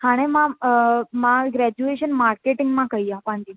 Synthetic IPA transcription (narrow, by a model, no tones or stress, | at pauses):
hãɽ̃ẽmã | maɡɾɛd͡ʑueɕənmaɾkeʈiŋɡmãkaijapãɳt̪i